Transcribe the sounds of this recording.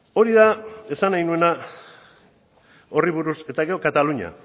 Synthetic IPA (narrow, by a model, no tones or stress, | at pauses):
o̞ɾiðae̞sanajnue̞na | o̞riβuɾuse̞t̪aɣeo̞kat̪aluɲa̰